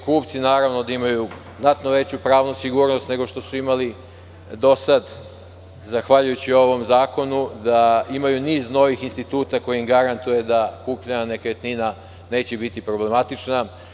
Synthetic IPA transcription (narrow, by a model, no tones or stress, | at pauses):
kuːpt̪sinaːɾaʋno̞d̪aimaju | znat̪noʋe̞t͡ɕupɾaːʋnusiɡuːɾno̞st̪ne̞ɡo̞ʃt̪o̞suimali | d̪o̞sad̪ | zaxʋaʎujut͡ɕioo̞ʋo̞mzaːko̞nud̪aimajuniːzno̞ʋixinst̪it̪uːt̪ako̞jiimɡaɾant̪uje̞d̪akuːpʎaɲanekajet̪nina | ne̞ːt͡ɕebit̪ipɾo̞ble̞mat̪it͡ʃna